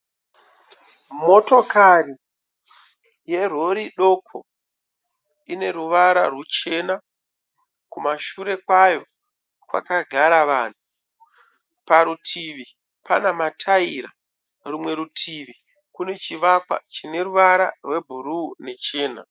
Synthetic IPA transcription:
mo̞to̞kari | je̞ro̞ɾiɗo̞kʰo̰ | ine̞ɾuʋaɾa̰rwet͡ʃe̞na | kumaʃuɾe̞kwajo̞ | kwa̰kaɡʱaɾaʋaːn̤u | paɾutʰiʋi | panamatʰaiɾa̰ | rumwe̞ɾutʰiʋi | kune̞t͡ʃiʋakwa̰t͡ʃine̞ɾuʋaɾa̰rwe̞bʱuɾuːne̞t͡ʃe̞ːna̰

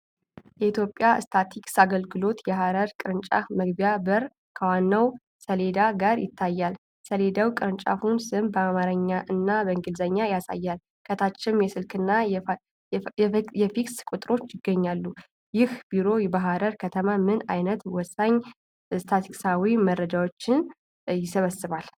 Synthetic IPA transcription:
jɛit̪ʰjo̞pʼjaɨ̰st̪ʰat̪ʰiksaɡəlɡɨlo̞t̪jɛɦaɾəɾkʼɨɾɨnt͡ʃʼa̰fməɡbjabəɾ | kʰəwanːəw | səle̞d̪aɡaɾjɪ̰t̪ʰːajːal | səle̞d̪awkʼɨɾɨnt͡ʃʼa̰funsɨmbəamaɾəɲːaʔɨnːabəɨŋɡɨlzəɲːajasa̰jːal | kʰət̪ʰat͡ʃːɪmjɛsɨlkʰɨnːa | jɛfikskʼut̪ʼɾo̞t͡ʃːjɪɡːəɲːalːu | jɪhb̥iɾo̞jɛbaɦaɾəɾkʰət̪ʰəmamɨnajnət̪wɔsːaɲː | st̪ʰat̪ʰikʼsawimərəd͡ʒawot͡ʃːɪn | jɪsəβəsːɨβal

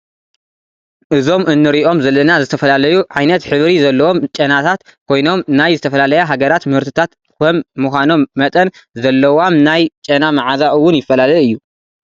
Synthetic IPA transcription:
ʔɨzo̞mʔɨnːɨɾiʔo̞mzɐlːɐnazɨt̪ʰɐfɐlalɐjuʕajnɐt̪ħɨβɾizɐlːɐwo̞mt͡ʃʼɐnat̪ʰat̪kʰo̞jno̞mnajzɨt̪ʰɐfɐlalɐjaɦaɡɐɾat̪mɨhɨɾt̪ʰɨt̪ʰat̪ | kɐmːuxʷano̞mːɐt̪ʼɐnzɐlːɐwamnajt͡ʃʼɐnamaʕazaʔɨwːʊnjɪfːɐlalɐjɨjːu

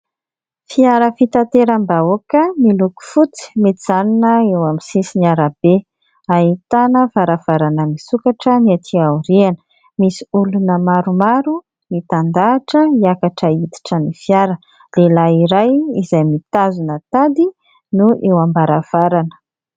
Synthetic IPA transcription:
fiaɾəfit̪at̪eɾambaokəmiluku̥fut͡si̥met̪iz̥aninəewamisisiniaɾab̥e | aɦit̪anəvaɾav̥aɾanəmisukaʈ͡ʂəniat̪ʰiauɾianə̥ | misiulunəmaɾumaɾu | mit̪and̪aːʈ͡ʂəiakaʈ͡ʂəid̪i̥ʈ͡ʂənifijaɾə | lelaiɾajizajmit̪azunət̪ad̪i | nuʔewambaɾav̥aɾanə̥

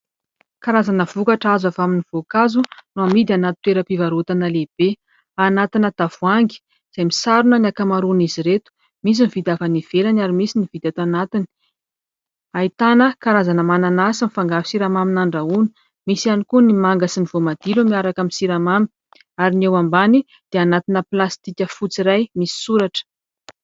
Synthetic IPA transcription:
kaɾazanəvukaʈ͡ʂazavaminiv̥okazunuamid̪anat̪u̥t̪ːeɾəpivaɾut̪anəleb̥e | anat̪inət̪av̥uaŋɡi̥ | z̥ajmisaɾunəniakamaɾuniziɾet̪u̥ | mis̬inivid̪ʲavaniv̥elanaɾimisinivid̪at̪anat̪ini̥ | ait̪anəkaɾazanəmananasəmifaŋɡavi̥siɾamaminaɳɖ͡ʐauni̥ | misianikunimaŋɡasiniv̥omad̪̥ilumiaɾakaminsiɾamamin | aɾinewambani | d̪̥eanat̪inəplast̪ikʲəfut͡siɾajmisi̥suɾaʈ͡ʂə̥

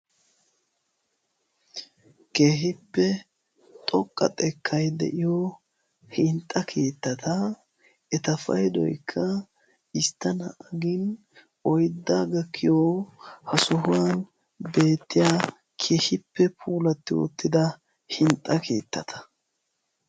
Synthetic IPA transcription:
ke̞ːɦɪpːɛ | t̪ʼɔkʼːɐ̰t̪ʼɛkʰːɐjd̪ɛ̰ʔɪjɔ | hɪnt̪ʼːɐkʰe̞ːt̪ːɐt̪ʰɐ | ɛt̪ɐfɐ̰jd̪ɔ̰jkʰːɐ | ɪst̪ːɐnɐ̰ʔɐɡɪn | ɔjd̪ːaːɡɐkʰːɪjohɐsʊɦʊwan | be̞ːt̪ːɪjaː | kʰe̞ːhɪpːɛpʰuːlɐt̪ːɪwɔ̰t̪ːɪd̪ɐ | hɪnt̪ʼːɐkʰḛːt̪ːɐt̪ʰɐ̥

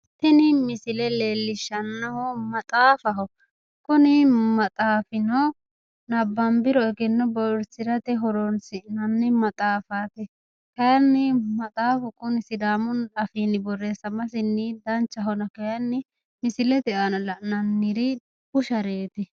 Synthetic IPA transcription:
t̪ɪnɪmɪsɪlɛleːlːɪʃɐnːɐhɔmɐt̪ʼaːfɐɦɔ | kʊnɪmɐt̪ʼaːfɪnɔ | nɐbːɐmbɪɾɔɡɪnːɔbɔʊɾsɪɾɐt̪ɛɦɔɾɔnsɪʔnɐnːɪmɐt̪ʼaːfaːt̪ɪ | kɐjɐnːɪmɐt̪ʼaːfʊkʊnɪsɪd̪aːmʊnɐfiːnɪbɔrːeːsɐmɐs̬ɪnːɪd̪ɐnt͡ʃːɐɦɔnɐkɐjɐnːɪ | mɪsɪlɛt̪ɛʔanɔlɐʔnɐnːɪɾɪ | kʊʃɐɾeːt̪ɪ

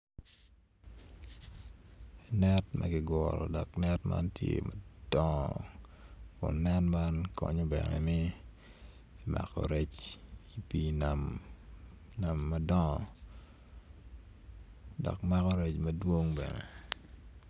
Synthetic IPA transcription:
nɛtmʔɐɡɪɡɔlɔ̰dɔknɛtma̰ntʰjemad̥ɔŋ | kʊnːɛnmankɔɲɔbɛnɛ̰mɪ | ma̰kɔ̰ɾɛt͡ʃipinam | namːadɔŋ | dɔkmakɔɾɛt͡ʃmɐdwoŋbɛnɛ

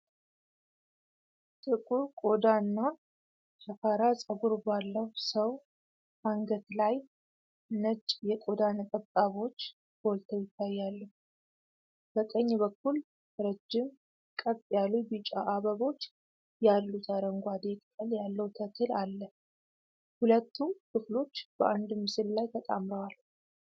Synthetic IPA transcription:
t̪ʼɨkʼuɾkʼo̞d̪anːa | t͡ʃəfaɾasʼəɡuɾbalːəwusəw | aŋɡət̪laj | nət͡ʃʼjɛkʼo̞d̪anək̪ʼət̪ʼaβo̞t͡ʃː | b̥o̞lt̪ʰəjɪt̪ʰːajːalːəh | b̥ək̪ʼəɲːβəkːul | ɾəd͡ʒːɪm | kʼəβʼjalubɨt͡ʃʼaʔaβəβo̞t͡ʃː | jalːut̪ʰaɾəŋɡʷad̪ekʼkʼəljalːəwt̪ʰət̪ʰɨlalːə | hulət̪ːukʰɨflo̞t͡ʃːb̥əʔand̪mɨsɨllajt̪ʰət̪ʼa̰mɾəwal

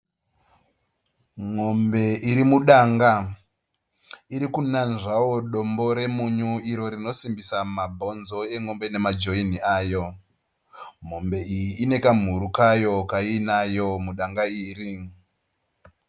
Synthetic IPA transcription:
ŋombe̞ʔiɾimuɗaŋɡa | iɾikunanʐawo̞ɗo̞mbo̞ɾe̞muɲuiɾo̞ɾino̞simbisamabʱo̞nzo̞e̞ŋo̞mbe̞ne̞mad͡ʒo̞iniaːjo̞ | ŋo̞mbe̞ijiːne̞kam̤uɾukajo̞kainajo̞muɗaŋɡaiːri

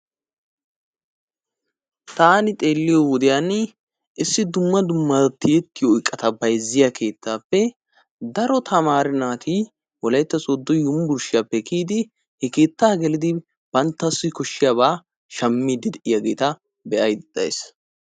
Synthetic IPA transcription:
t̪aːnɪt̪ʼe̞ːlːɪjɔwʊd̪ɪjan | ɪsːɪd̪ʊmːɐd̪ʊmːɐt̪ːɪjɛt̪ːɪjoɪkʼːɐt̪ɐbɐjzːɪjakʰe̞ːt̪ːaːpːɛ | d̪ɐɾɔt̪ʰɐmaːɾɪnaːt̪ʰi | wɔlɐjt̪ːɐsʼɔd̪ːɔjʊmbʊɾʃɪjapːɛkiːd̪ɪ | hɛke̞ːt̪ːaːɡɛlɪd̪ɪ | b̥ɐnt̪ːɐsːʊkɔʃːɪjabaː | ʃɐmːiːd̪ɪd̪ɛʔɪjaɡḛːt̪ɐ | bɛʔɐjd̪ɛd̪̥ɐ̰js

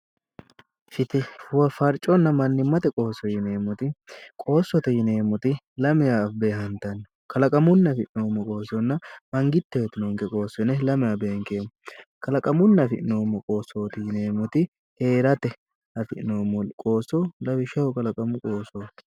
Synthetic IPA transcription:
ʃɪt̪ɪʊwɐfɐɾt͡ʃʼɔnːɐmɐnːɪmːɐt̪ɛkʼo̞ːsɔjɪneːmʊt̪ɪkʼo̞ːsːɔt̪ɛjɪneːmɔt̪ɪ | lɐmɪjaːfbe̞ːɦɐnt̪ɐnː | kɐlɐkʼɐmʊnːɐfɪʔɪnoːmːɔkʼo̞ːsɔnːɐmɐŋɡɪt̪ːɛjɛt̪ɪnoŋkɛkʼo̞ːsːɔnɛlɐmɪjaːbeːŋkeːmkɐlɐkʼɐmʊnːɐfɪʔnoːmːɔkʼo̞ːsːoːt̪ɪjɪneːmʊt̪ɪ | he̞ːɾɐt̪ɛ | ɐfɪɪnoːmɔkʼo̞ːsːɔlɐbɪʃɐhʊkɐlɐkʼɐmʊkʼoːsot

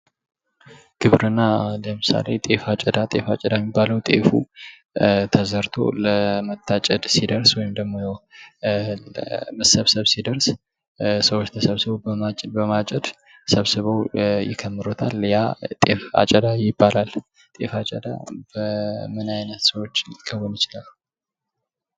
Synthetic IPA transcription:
kʰɨβɾɨnːaləmɨsa̰le̞̰t̪ʼe̞fat͡ʃʼɛd̪at̪ʼe̞fat͡ʃʼɛd̪ajmibːaləwt̪ʼḛfṵ | t̪ʰəzəɾt̪ʰo̞̰ləmət̪ʰːat͡ʃʼɛd̪sid̪əɾswɔjɪmd̪əɡmo̞jɛw | ləməsəβsəβsid̪əɾs | səwot͡ʃːt̪ʰəsəβsɨβobəmat͡ʃʼbəmat͡ʃʼɛd̪ | səβsɨβəwjɪ̰kʰəmːɨɾot̪ʰaljat̪ʼefa̰t͡ʃʼɛd̪ajɪbːalal | t̪ʼe̞̰fat͡ʃʼəd̪a̰bəmɨnajnət̪səwot͡ʃːkʰːəwɔnjɪt͡ʃɪlalː

